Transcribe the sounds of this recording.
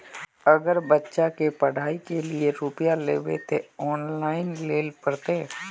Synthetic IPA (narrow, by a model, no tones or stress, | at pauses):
ɐɡəɾbətːʃakepəɽ̤ʱaːikelieɾupjalḛːʋet̪ʰeɔːnlaːɪnleːlpəɾt̪eː